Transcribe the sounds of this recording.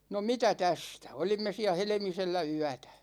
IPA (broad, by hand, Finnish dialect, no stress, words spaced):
no mitæ tæstæ olimːe siæ helĕmiselːæ yætæ̥